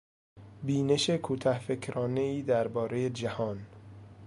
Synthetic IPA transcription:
biːne̞ʃekʰuːt̪ʰæhfekʰɾɒːne̞iːd̪æɾbɒːɾejed͡ʒæhɒːn

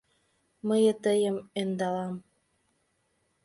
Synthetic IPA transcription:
məjət̪əjəmend̪ɑlɑm

